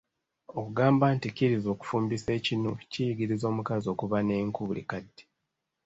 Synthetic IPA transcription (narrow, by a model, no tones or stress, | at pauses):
o̞kuɡaːmbanticiɾizo̞ːku̥fuːmbise̞ːcinocijiɡiɾizo̞ːmukazio̞ːkuβaneŋkuβulḭkadːe̥